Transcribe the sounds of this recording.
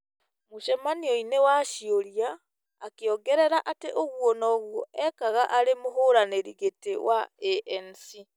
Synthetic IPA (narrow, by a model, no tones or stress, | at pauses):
moʃɛmanioinewaʃioɾiaː | keɔɡɛɾɛɾaʔateʔoɣwɔnɔːɣwɔʔɛkaɣaʔaɾemoɦoːɾaneɾiɣetewʔaeʔɛnsi